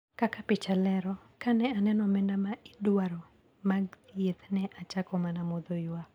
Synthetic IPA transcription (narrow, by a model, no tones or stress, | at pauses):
kakapɪt͡ʃalɛɾɔkanɛanɛnɔmɛndamaʔidwaɾo | maɡjet̪nɛʔat͡ʃakɔmanamod̪ojwa